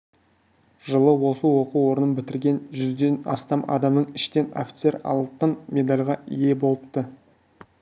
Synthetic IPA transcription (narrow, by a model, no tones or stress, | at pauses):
ʒəlˠəwo̞səwo̞quo̞ɾənənbɪt̪ɪɾɡʲe̞nʒʏzd̪e̞nɑ̰st̪ɑmɑ̰d̪ɑmnəɴɪʃt̪e̞no̰fʲi̥t̪se̞ɾɑ̰lˠt̪ːənmʲe̞d̪alʲʁɑʔije̞bo̞lˠəp̚t̪ə